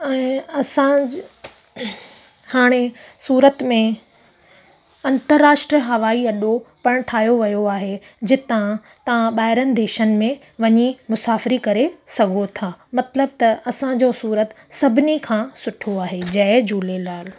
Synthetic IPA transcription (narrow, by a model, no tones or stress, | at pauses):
ɛ̃ːɐsã | haːɽ̃esuːɾət̪mẽ | ɐ̃nt̪əɾːaːʃʈɾiəɦɐʋaːiɐɗopɐɽ̃ʈʰaːɦjoʋɐjoaːɦe | d͡ʑɪt̪ã | t̪ɐʋãɓaːɪɾənɪ̆d̪eːʃənɪ̆mẽ | ʋɐɲimʊsaːfɪɾikɐɾesɐɡʱot̪ʰaːmɐt̪ləbt̪ɐɐsãd͡ʑosuːɾət̪sɐbʱɪnikʰãːsʊʈʰoaːɦed͡ʑɐd͡ʑuːlelaːl